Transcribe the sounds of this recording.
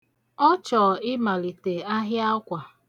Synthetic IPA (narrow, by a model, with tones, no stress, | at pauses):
ɔ˦t͡ʃɔ˨ɪ˦ma˨li˨te˨a˦ɦja˦kʷa˨